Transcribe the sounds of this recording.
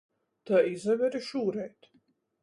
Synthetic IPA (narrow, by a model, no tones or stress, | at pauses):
t̪aizɛvʲɛɾiʃuːɾɛjt̪